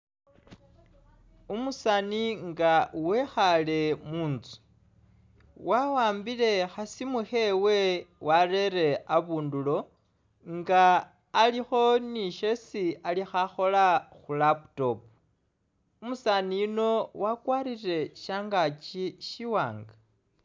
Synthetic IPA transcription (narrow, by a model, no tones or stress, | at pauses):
umusaniŋɡawexale̞muːnt͡su̥ | wawaːmbile̞xasimuxe̞we̞waɾe̞ɾe̞aβuːndulo̞ | ŋɡaː | lixo̞niʃe̞sialixaxo̞laxulaputo̞pu | umusanijuno̞wakwaːɾire̞ʃaːŋɡat͡ʃiʃiwaːŋɡa